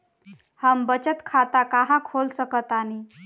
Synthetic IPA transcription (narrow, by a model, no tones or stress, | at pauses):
həmbət͡ɕət̪kʰat̪akaɦãkʰolsəkət̪ani